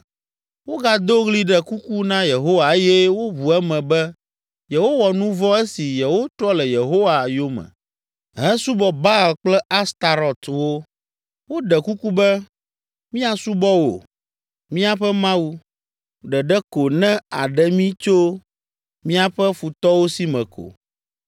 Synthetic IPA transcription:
wo˦ɡa˨d̪o˦ɣli˦ɖɛ˨ku˦ku˦nã˦je˨ɦo˦wa˨e˦jɛ˦wo˦βu˨ɛ˦mɛ̃˨bɛ˦ | je˨ɦo˦wɔ˨nũ˦vɔ˦ɛ˦si˨jɛ˨wo˦t̪ɾɔ˦lɛ˨je˨ɦo˦wa˨jo˦mɛ̰̃˨ | ɦɛ̃˦su˦bɔ˨ba˦˨lk͡plɛ˦a˦st̪a˨ɾɔ˨t̪wo˦ | wo˦ɖɛ˨ku˦ku˦bɛ˦ | mĩ˦a˨su˦bɔ˦wo̰˨ | mĩ˦a˦ɸɛ˦mã˦wu˦ | ɖɛ˨ɖɛ˦ko˨nɛ̃˦a̰˨ɖɛ˦mĩ˦t͡ʃo˦ | mĩ˦a˦ɸɛ˦fu˨t̪ɔ˦wo˦si˦mɛ̃˨kʰo̰˨

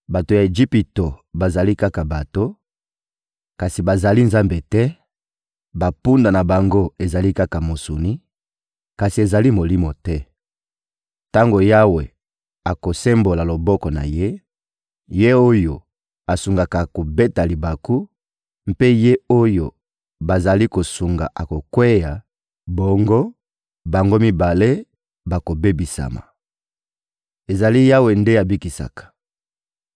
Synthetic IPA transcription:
ba˨to˨ja˨e˨ʒi˦pi˨to˨ba˨za˨li˦ka˦ka˨ba˨to˦ | ka˨si˨ba˨za˨li˦nza˦mbe˨tɛ˦ | ba˨pu˦nda˨na˨ba˨ŋɡo˦e˨za˨li˦ka˦ka˨mo˨su˨ni˦ | ka˨si˨e˨za˨li˦mo˨li˦mo˨tɛ˦ | ta˦ŋɡo˨ja˦we˨ | a˨ko˨se˦mbo˨la˨lo˨bɔ˦kɔ˨na̰˨je˦ | je˦o˦jo˨ | a˨su˨ŋɡa˨ka˨ko˨be˦ta˨li˨ba˨ku˦ | mpe˦je˦o˦jo˨ | ba˨za˨li˦ko˨su˨ŋɡa̰˨ʔa˨ko˨kwe˦ja˨ | bɔ˦ŋɡo˦ | ba˨ŋɡo˦mi˦ba˨le˦ | ba˨ko˨be˦bi˨sa̰˨ma̰˨ | e˨za˨li˦ja˦we˨nde˦a˨bi˦ki˨sa̰˨kḁ˨

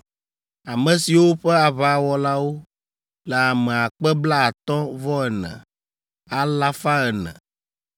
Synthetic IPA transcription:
a˨mɛ̃˨si˨wo˦ɸɛ˦a˨βa˨wɔ˨la˦wo˦ | lɛ˨a˨mɛ̃˨a˨k͡pɛ˦bla˦a˨t̪ɔ̃˦vɔ˦ɛ˨nɛ̰̃˨ | a˦la˦fa˦ɛ˨nɛ̰̃˨

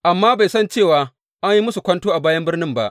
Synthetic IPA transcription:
ʔa˨mːaː˦ba˨jsɐ˦nt͡ʃeː˦˨waː˨ | ʔa˦ɲji˦mʊ˦su˨kʷɐ˦ntoː˦ʔa˨baː˦jɐ˦mbɪ˦rnɪ˦mba̰˨ʔ

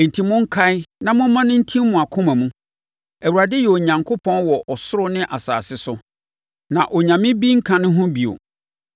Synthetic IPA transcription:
n̩˨tʰi˨mʊ̃˦ŋ̩˦kʰa˦ɪ˦nã˦mʊ̃˦mã˦nʊ̃˦n̩˦tʰĩ˦mːʊ̃˨a˨kʰʊ̃˦mã˨mũ˦ | æ˨wu˨ɾa˨dɪ˦jɛ˨o˨ɲã˨ŋkʰo˦pʰɔ̃˦nwɔ˨ʔɔ˨sʊ˦ɾʊ˦nɪ̃˦ʔa˨sa̰ː˨sɪ˦sʊ˦ | nã˨ʔɔ˨ɲã˨mɪ̃˦bi˦ŋ̩˦kʰã˨nʊ̃˦ɦʊ̃˦bi˨o̰˨

